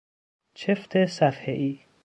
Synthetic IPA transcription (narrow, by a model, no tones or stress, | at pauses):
t͡ʃʰeft̪ʰesæfheʔiː